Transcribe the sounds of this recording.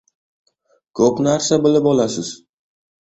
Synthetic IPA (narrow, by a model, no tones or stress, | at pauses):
kʰɵpnaɾsabɪlɪpɒlasɪz̥